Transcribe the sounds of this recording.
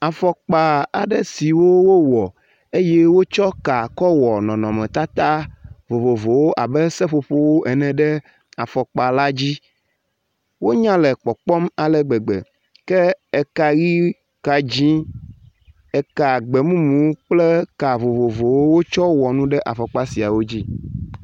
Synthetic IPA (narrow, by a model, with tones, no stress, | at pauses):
a˨fɔ˨k͡pa˨a˨ɖɛ˦si˨wo˦wo˦wɔ˨ | e˦je˦wo˦t͡ʃɔ˦ka˨kɔ˦wɔ˨nɔ̃˨nɔ̃˨mɛ̃˨t̪a˦t̪a˦vo˨vo˨vo˨wo˦ʔa˨bɛ˦sɛ˦ɸo˨ɸo˦wo˦ʔɛ˨nɛ̃˨ɖɛ˦ | a˨fɔ˨k͡pa˨la˦d͡ʑi˦ | wo˦ɲã˦lɛ˨k͡pɔ˨k͡pɔ˦ma˨lɛ˨ɡ͡bɛ˨ɡ͡bɛ̰˨ | kɛ˦ɛ˨ka˨ɣi˦ | ka˨d͡ʑĩ˦ | ɛ˨ka˨ɡ͡bɛ˨mũ˦mũ˨˦k͡ple˦ka˨vo˨vo˨vo˨wo˦wo˦t͡ʃɔ˦wɔ˨nũ˦ɖɛ˦ʔa˨fɔ˨k͡pa˦si˨a˨wo˦d͡ʑi˦